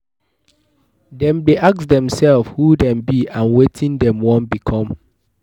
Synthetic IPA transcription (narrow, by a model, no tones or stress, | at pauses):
dɛ̃ndeʔak̚sdɛ̃msɛlfhudɛ̃mbiʔãnwetʰĩndɛ̃mwɔ̃nbikʰɔ̃m